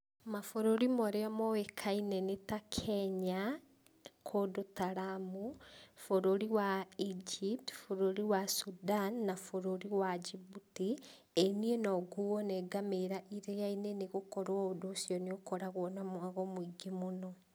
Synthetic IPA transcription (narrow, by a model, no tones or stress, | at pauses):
mafoɾoɾimɔɾeamɔwekʰainɛnetakʰɛɲa | kʰodotaɾamufoɾoɾiwaid͡ʒip̚tfoɾoɾiwasudanːafoɾoɾiwad͡ʒibuti | enienɔɡuɔnɛɡameɾaʔiɾejaineneɣokɔɾwaodoːsjɔneokɔɾaɣwɔnamwaɣɔmoiɡemonɔ